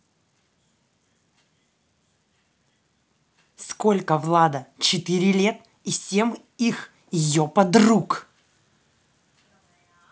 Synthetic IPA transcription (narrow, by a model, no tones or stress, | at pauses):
sko̞lʲkəvlˠad̪ət͡ɕɪt̪ɨɾʲɪlʲe̞t̪ | isʲe̞m | ix | jɪjopɐd̪ruk